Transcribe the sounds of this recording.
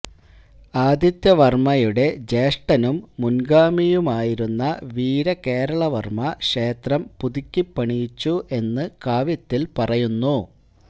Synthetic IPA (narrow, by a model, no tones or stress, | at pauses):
aːd̪ʱjɐt̪jɐʋɐrmɐjuɽe̞d͡ʑeːʂʈɐnumːunɡaːmijumaːjiɾunːɐʋiːɾɐke̞ːɾɐɭɐʋɐrmɐkʂe̞ːt̪rɐmpuðikʲːipːɐɳijit͡ɕːuʔe̞nːɨkaːʋɐt̪ːilpɐrɐjunːu